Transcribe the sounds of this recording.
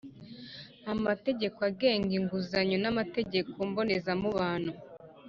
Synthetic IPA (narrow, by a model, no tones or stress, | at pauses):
amate̞ɟe̞koaɡe̞ːŋɡiŋɡuzaɲonamate̞ɟe̞kombo̞ne̞zamuβaːnhu